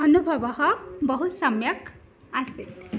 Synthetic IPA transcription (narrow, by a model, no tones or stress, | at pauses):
ʌnubʱʌbɔɦɔbɔɦusʌmjʌk | asit̪